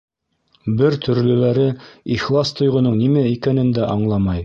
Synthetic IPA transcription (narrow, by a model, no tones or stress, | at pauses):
bɘɾt̪ʰɵ̆ɾlɵ̆læɾɘiχlˠɑst̪ŏjʁŏnɤɴnimæikænɘ̆nd̪æʔɑɴlˠɑmɑj